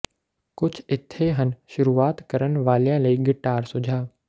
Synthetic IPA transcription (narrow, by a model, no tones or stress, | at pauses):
kʊt͡ʃʰɪt̪ʰːeɦənʃʊɾuːaːt̪kəɾənʋaːljãːləiːɡɪʈaːɾsʊd͡ʒʱaː